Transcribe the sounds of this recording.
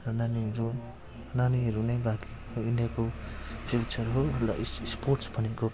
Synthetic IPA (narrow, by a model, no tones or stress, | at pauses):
rʌnaniɾu | naniɦʌɾunʌjbaki | oiɳɖijakopʰilt͡ʃʌrɦoɦʌlla̰ssporʈsbʱʌneko